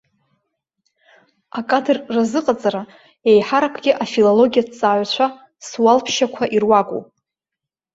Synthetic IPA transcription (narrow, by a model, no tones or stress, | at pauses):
akʼadɨrːazɨqʼat͡sʼaɾa | ejħaɾakʷʰɡʲɪʔafilolo̞ɡʲijadt͡sʼaːɥʷt͡ɕʷʰa | swalpʰʃakʷʰaʔirwakʷʼṵ